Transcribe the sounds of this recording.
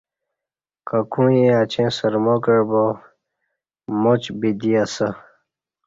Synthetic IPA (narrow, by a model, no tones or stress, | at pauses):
kakũẽat͡ɕẽsəɾmokəɻbo | mot͡ɕbid̪iasə